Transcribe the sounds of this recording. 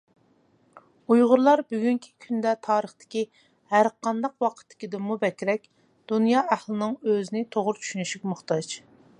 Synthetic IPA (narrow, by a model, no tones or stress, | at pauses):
ujʁʊɾlˠɑɾbyɡʲyŋkʲʰi̥kʲʰynd̪ɛt̪ʰɑːɾəχt̪ɪ̥kʲi | hæɾqʰɑnd̪ɑqwɑqʰə̥t̪ʰːɪ̥kʲid̪ɪmubɛkʲɾɛkʲ | d̪̥unjɑːʔæhlˠɨnɨŋøzɪnɪt̪ʰoʁʊɾt͡ʃʰy̥ʃynyʃykʲmʊχt̪ɑd͡ʒ